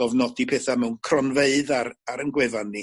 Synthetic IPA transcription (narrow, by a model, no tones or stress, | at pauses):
ɔvnɔdipʰɛːθamɛwnkʰrɔnveɨðaɾaɾənɡwɪvanːi